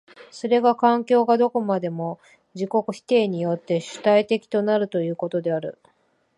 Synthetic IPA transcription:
so̞ɾe̞ɡakãŋkʲo̞ːɡad̪o̞ko̞mad̪e̞mo̞ | d͡ʑiko̞kɯ̟çi̥t̪e̞ːɲ̟ijo̞t̪ːe̞ɕɨ̥t̪ait̪e̞kʲi̥t̪o̞naɾɯ̟t̪o̞jɯ̟ːko̞t̪o̞d̪e̞aɾɯ̟̰

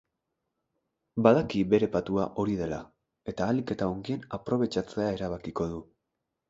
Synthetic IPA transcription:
baðakiβe̞ɾe̞pat̪uaʔo̞ɾið̞e̞la̰ | e̞t̪aːlike̞t̪aoŋɡie̞napɾo̞β̞e̞t͡ʃat͡se̞ae̞ɾaβakiko̞ðu

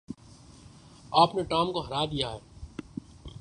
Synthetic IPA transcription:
aːpneʈaːmkoɦɐɾaːd̪ijaɦɛː

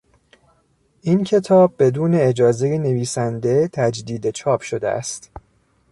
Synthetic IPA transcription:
ʔincʰe̞t̪ʰɒːb̚ːe̞d̪uːne̞ed͡ʒɒːzejene̞viːsænd̪e̞t̪ʰæd͡ʒd̪iːd̪e̞t͡ʃʰɒːbʃo̞d̪ḛʔæ̰st̪

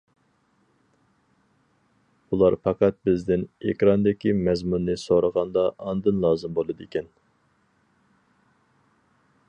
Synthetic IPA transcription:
ulˠɑɾpʰɑqɑt̪̚bɪzd̪ɪnḛkʲɾɑnd̪ɪkʲimɛzmunːɨsoɾəʁɑnd̪ɑʔːnɨd̪ɨnlˠɑːzɨmbolˠɨd̪ɨikʲʰɛn

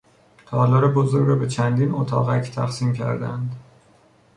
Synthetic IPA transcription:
t̪ʰɒːlɒːɾebozoɾɾɒbe̞t͡ʃʰænd̪iːnot̪ʰɒ̰ːɣæcʰt̪ʰæ̰xsiːmcʰæ̰ɾd̪æ̰nd̪

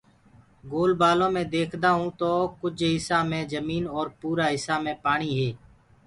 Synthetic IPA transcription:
ɡoːlbaːlõːmẽːd̪eːkʰd̪aːɦũːt̪oːkʊd͡ʒɦɪsaːmẽːzəmiːnɔːɾpuːɾaːɦɪsaːmẽːpaːɳiːɦeː

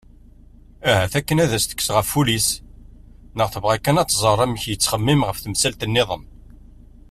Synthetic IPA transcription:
æɦæθækːənæðæst̪ə̥kːsʁəfːulis | nəʁθəvʁækːænɑt͡s̪ːzˤərˤæməçjət͡sːχəmːimʁəfθəmsælt̪ənːɪðˤəm

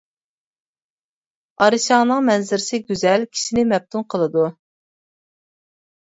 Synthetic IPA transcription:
ɑɾɨʃɑːnɨŋmɛnzɪɾɪsɪɡʲyzɛlkʲʰi̥ʃinɪmɛp̚t̪ʰunqʰəlˠɨd̪u

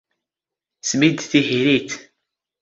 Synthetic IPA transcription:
smid̪θihiɾit̪

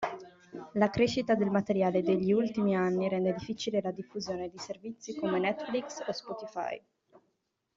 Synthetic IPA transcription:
lakɾeʃːit̪ad̪elmat̪eɾjaːled̪eʎːiult̪imianːiɾɛnd̪ed̪ifːit͡ʃilelad̪ifːuzjoːned̪iservit̪sːikomenɛt̪ːfliksospɔt̪ifa̰j

